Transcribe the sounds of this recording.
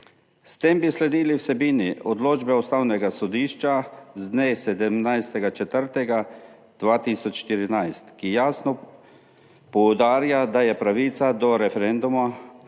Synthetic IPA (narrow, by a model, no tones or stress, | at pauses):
st̪embislɛd̪iːliwsɛbiːniɔd̪loːd͡ʒbɛust̪aːwnɛɡasɔd̪iːʃt͡ʃazd̪nesɛd̪ɛmnajst̪ɛɡat͡ʃɛt̪əɾt̪ɛɡa | d̪̥ʋaːt̪iːsɔt͡ʃʃt̪iɾinajst̪kijaːsnɔ | pɔwd̪aːɾjad̪ajɛpɾaʋiːt̪sad̪ɔɾɛfɛɾɛnd̪uma